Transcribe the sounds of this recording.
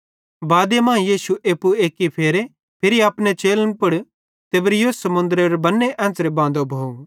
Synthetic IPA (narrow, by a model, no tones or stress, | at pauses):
baːd̪emɐ̃jiːsuʔeːpːueːkipʰeːɾe | pʰɪɾiaːpnet͡ʃeːlənpʊɽ | t̪ebɾɪjoːsɐmʊ̃nd̪ɾeɾbɐnːeʔɛ̃ːsɾebãːnd̪obʱoːũ